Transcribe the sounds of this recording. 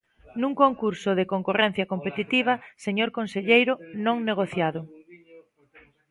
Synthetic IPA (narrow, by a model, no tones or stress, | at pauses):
nuŋkoŋkuɾsʊðekoŋkorɛn̟θjɐkompet̪it̪iβ̞ɐseɲoɾkonseʎejɾʊnõŋneɣ̞oθjaðʊ